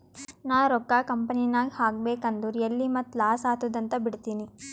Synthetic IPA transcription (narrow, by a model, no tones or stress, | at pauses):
naːɾɔkːakɐmpɐnijnaːɡihaːɡ̚beːkɐnd̪uɾɐlːimɐt̪ːlaːsaːt̪uːd̪ɐnt̪ɐbiɽt̪iːni